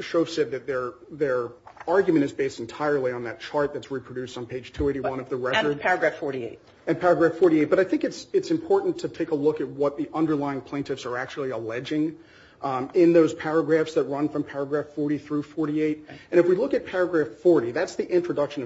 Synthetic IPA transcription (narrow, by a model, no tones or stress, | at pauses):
ʃoʊv̥sɛd̪̚ðɨt̪̚ðə˞ | ðə˞ɑɹɡjmɨ̃ɾ̃ɨzbeɪstn̩tʰaɪə˞lˠiə̃nðɨt̚t͡ʃʰɑɹt̪̚ðɨtsɹipʰɹ̥ɨdʉstn̩pʰeɪd̥ʒ̥tʰʉeɪɾiwʌ̃nʌvðɨɹɛə˞dpʰɛɹɨɡɹæffɔɹɾiḛɪt̚ | ɨ̃npʰɛɹɨɡɹæfɔɹɾieɪt̚b̥ʌɾaɪθɪ̃ŋkɨtsɨtsɨ̃mpʰɔɹʔn̩tʰɨtʰeɪkəlʊkɨt̚wʌt̪̚ðiʔʌ̃ndə˞laɪɪ̃ŋpʰl̥ẽɪ̃ntɨfsə˞æk̚t͡ʃul̩ˠiəlɛd͡ʒɪ̃ŋ | ɪ̃nðoʊz̥pʰæɹɨɡɹæfsðɨt̚ɹʌ̃nfɹʌ̃mpʰɛɹɨɡɹæffɔɹɾiθɹʉfɔɹɾieɪɾɨ̃ɾ̃ɨfwilʊkɨt̚pʰɛɹɨɡɹæffɔɹɾiðætsðiʔɪ̃nt͡ʃɹ̥ɨdʌkʃɨ̃n